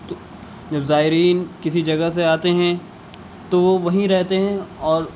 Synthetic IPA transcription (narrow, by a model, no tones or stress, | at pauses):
t̪ | d͡ʒɐbzaːɪɾiːnkɪsid͡ʒɐɡəɦs̬eaːt̪eɦɛ̃ | t̪oʋoʋɐɦĩɾɛɦt̪eɦɛ̃ɔːɾ